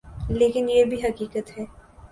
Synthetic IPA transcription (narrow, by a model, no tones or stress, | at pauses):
leːkɪnjebʱiɦɐkiːkət̪ɦɛː